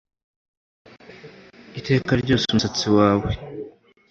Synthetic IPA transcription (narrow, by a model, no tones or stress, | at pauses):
ite̞ːkaɾɟo̞ːsumusat͡siwaːwe̞